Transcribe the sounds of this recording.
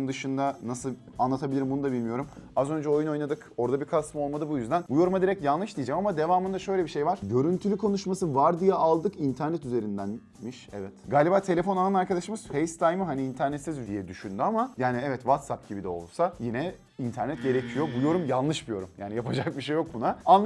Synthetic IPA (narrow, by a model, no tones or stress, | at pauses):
md̪ɯʃɯnd̪anasɯl | anlˠat̪ʰabilʲiɾimbunud̪abilʲmijo̞ɾumazø̞nd͡ʒɛo̞juno̞jnad̪ɯko̞ɾd̪abikʰasmɯolmad̪ɯbujyzd̪ænbujo̞ɾumad̪iɾɛcjalˠlˠɯʃd̪ijid͡ʒɛmamad̪evaːmɯnd̪aʃø̞jlʲebiʃe̞jvaɾ̥ɟø̞ɾynt̪ʰylʲykʰo̞nuʃmasɯvaɾd̪ijɛʔalˠd̪ɯkint̪ʰæɾnɛt̪yze̞ɾind̪æn | miʃɛ̰vɛt̪ɡaːlʲibaːt̪ʰe̞lʲefo̞nanaɾkad̪aʃɯmɯz̥fejst̪ʰajmɯɦaniːnt̪ʰæɾnɛt̪sizd̪ijɛd̪yʃynd̪yamajaːniɛvɛt̪vat̪sap̚ɟibid̪ɛo̞̰lˠsajinɛ | int̪ʰæɾnɛt̪̚ɟe̞ɾecʰijo̞bujo̞ɾumjanˠlˠɯʃbujo̞ɾumjaːnijapʰad͡ʒak̚biʃe̞jːo̞k̚bunaan